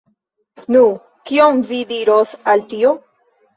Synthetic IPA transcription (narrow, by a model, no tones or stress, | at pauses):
nu | kiomvidiɾosaltio